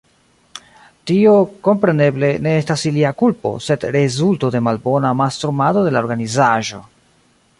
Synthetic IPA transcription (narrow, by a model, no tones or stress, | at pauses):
tio̞ko̞mpɾe̞ne̞ble̞ne̞estasiliakulpo̞̰se̞dɾe̞zulto̞de̞malbo̞namastɾumado̞de̞lao̞ɾɡanizaʒo̞